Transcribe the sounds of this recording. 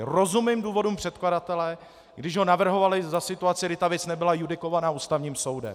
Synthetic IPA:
ro̞zumniːmduːvo̞duːmpr̝̥ɛt̪kladat̪ɛlɛ | ɡdɪʒɦo̞navr̩ɦo̞valɪzasɪt̪uat͡sɪɡɾdɪt̪avjɛt͡snɛbɪlajudɪko̞vanaːʔuːst̪avɲiːmso̞wdɛ̰m

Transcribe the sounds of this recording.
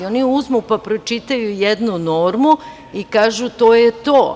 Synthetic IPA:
oniuzmupapɾo̞t͡ʃit̪ajujed̪nuno̞ːɾmu | ikaːʒut̪o̞ːjet̪oː

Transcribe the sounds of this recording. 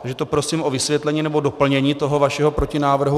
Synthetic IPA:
aʒɛt̪o̞pɾo̞siːmʔo̞vɪsvjɛt̪lɛɲiːnɛbo̞dopl̩ɲɛɲiːt̪o̞ɦo̞vaʃɛɦopɾo̞cɪnaːvr̩ɦu

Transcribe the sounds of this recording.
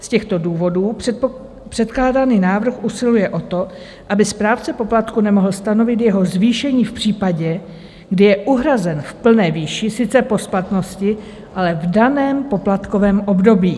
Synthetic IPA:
scɛxt̪o̞duːvo̞duː | pr̥ɛt̪klaːdaniːnaːvr̩xʔusɪlujɛʔo̞t̪o̞ | ʔabɪspɾaːft͡sɛpo̞plat̪kunɛmo̞ɦl̩st̪ano̞vɪt̪jɛɦo̞zviːʃɛɲiːfpr̝̥iːpaɟɛ | ɡdɪjɛʔuɦɾazɛnfpl̩nɛːviːʃɪsɪt͡sɛpo̞splat̪no̞scɪ | ʔalɛvdanɛːmpo̞plat̪ko̞vɛːmʔo̞bdo̞biː

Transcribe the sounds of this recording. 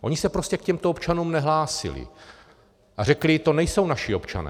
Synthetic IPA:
ʔo̞̰ɲɪsɛpɾo̞scɛkcɛmt̪oopt͡ʃanuːmnɛɦlaːsɪ̰lɪ̰ | ʔarɛklɪt̪o̞nɛjso̞wnaʃɪo̞pt͡ʃa̰nɛ̰ː

